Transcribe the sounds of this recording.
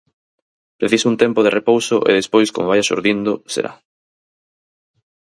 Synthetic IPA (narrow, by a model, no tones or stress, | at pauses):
pɾeθisount̪empoðerepowsoʔḛðespojsko̰moβajasṵɾðind̪osḛɾa̰